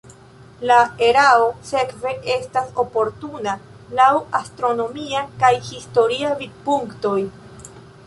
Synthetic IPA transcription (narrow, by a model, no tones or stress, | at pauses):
lae̞ɾaose̞kve̞ʔe̞staso̞po̞ɾtuna | lawastɾo̞no̞miakajhisto̞ɾiavid̚puŋkto̞j